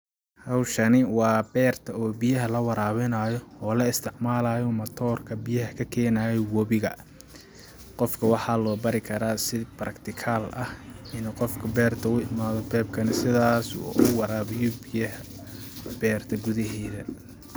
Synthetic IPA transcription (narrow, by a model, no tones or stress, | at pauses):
hɑwʃɐnɪwɑːbɛːrt̪ʰɐɔːbijɐɦɐlɐwɑɾaːβɛnaːjɔɔːlɐɪst̪ʰɪʕmaːlaːjɔmɐt̪ʰɔːrkʰɐbɪjɐɦɐkʰɐkʰɛːnaːjɛwɔβɪɣɐ | qɔfkʰɐwɑħɑːlɔːbɐɾɪkʰɐɾaːsɪbɾɐkt̪ʰɪkʰaːlʔɐhɪnqɔfkʰɐbɛːrt̪ʰɐʊɪmaːðɔbɛːb̚kʰɐnɪsɪðaːsɔ̰ːʊwɑɾaːβɪjɔbɪjɐɦɐ | b̥ɛːrt̪ʰɐɡʊðɐɦɛːðɐ